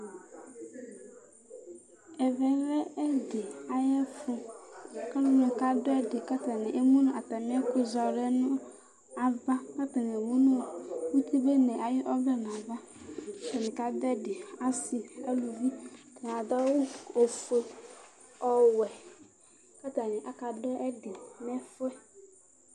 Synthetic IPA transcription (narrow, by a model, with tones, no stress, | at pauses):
ɛ˨vɛ˨ɾɛ˦ɛ˦dɪ˨a˨jɛ˦fʊ˦˨ka˦nʊ˦m˦ʊ̃˨ka˦dʊ˦ɛ˦dɪ˨ka˦ta˨nɪ˨ʔe˦mũ˦nʊ̃˦˨a˨ta˨mɪ˦ɛ˦kʊ˦za˨ɾɛ˦nʊ̃˦ | a˨va˦ka˦ta˨nɛ˨mu˦nʊ̃˦˨wu˦ti˦be˦nɛ˨a˨jɪ˦ʔɔ˦vɛ˦n˨a˨va˦ | a˦ta˨nɪ˨ka˨dʊ˦ɛ˦dɪ˨a˦si˨a˦lu˨vi˦ta˨n˨a˨da˦wʊ˦o˨fe˨ | ɔ˨wɛ˨ | ka˦ta˨nɪ˨ʔa˨ka˨dɔ˦ɛ˦dɪ˨m˦ɛ˦fʊ˦ɛ˦